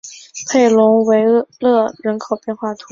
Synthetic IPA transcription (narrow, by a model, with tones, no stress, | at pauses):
pʰe˥˩ɪlʊ˧˥ŋwe˧˥ɪlɤ˥˧˩ɻə˧˥nkʰo˨˩ʊpjɛ˥˧nxwa˥˩t̪ʰu˧˥